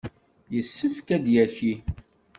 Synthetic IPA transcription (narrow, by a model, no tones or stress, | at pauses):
jəsːəfkæd̪jæçi